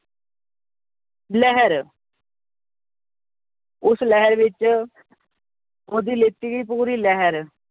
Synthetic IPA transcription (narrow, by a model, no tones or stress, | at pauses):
lɛɦəɾ | ʊslɛɦəɾʋɪt͡ʃ | oːd̪iːlet̪iːɡəiːpuːɾiːlɛɦəɾ